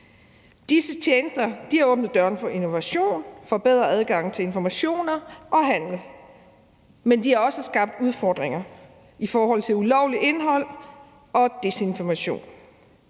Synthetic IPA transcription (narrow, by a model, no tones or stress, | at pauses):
d̥isət͡ɕʰeːnəsd̥ɐd̥ihɑ̈ɔ̽ːb̥nəð̩ˠd̥ɶɐnfɒ̽ʔino̝ʋæɕo̝̰ːnfɒ̽b̥eð̞̰ˠʁɐæð̞ˠɡ̥ɑ̈ŋ̰n̩t͡sʰe̝e̝nfɒmæɕo̝̰ːnɐʔɒ̽ɦæn̰l̩ | mend̥ihɑ̈ɒ̽səsɡ̥ɑ̈b̥̚d̥uð̞ˠfɒːd̥ʁeŋɐ | ifɒːɦɒ̽l̰t͡sʰe̝lulɒʊliʔe̝nɦɒ̽l̰ | ɒ̽d̥e̝se̝nfɒmæɕo̝̰ːn